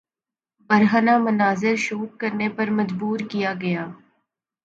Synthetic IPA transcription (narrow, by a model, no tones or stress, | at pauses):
bɐɾɦənamɐnaːzɪɾʃuːʈ̚kɐɾnepɐɾmɐd͡ʒbuːɾkijaɡɐjaː